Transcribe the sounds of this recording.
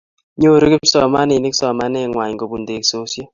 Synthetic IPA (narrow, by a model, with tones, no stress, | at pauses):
ɲo˦˨ɾi˦kɪ˦m̩˦sɔ˨ma˦ni˨ni˦ksɔ˨ma˦nɛ˦˨ŋwa˨ɲɡo˨bu˨nde˨kso˦sjɔ˦